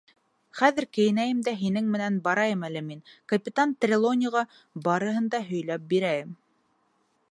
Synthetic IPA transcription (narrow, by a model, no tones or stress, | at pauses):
χæðɘɾkɘ̆jɘ̆næjɘmd̪æɦinɘŋmɘ̆nænbɑɾɑjɤmælɘminkɐpʲɪt̪ant̪rʲɪlˠonʲɪʁɑ | bɑɾɤ̆ɦɤ̆nd̪ɑɦɵ̆jlæp̚biɾæjɘm